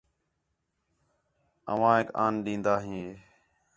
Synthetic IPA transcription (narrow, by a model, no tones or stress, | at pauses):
ə̰ʋãːɦeːka̰ːnɗĩːnd̪aːɦĩː